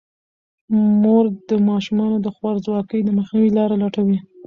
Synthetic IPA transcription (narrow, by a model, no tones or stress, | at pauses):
moɾd̪əmɑʃumɑnod̪əxwaɾzwɑkəjd̪əməxniwilɑɾalɑʈawi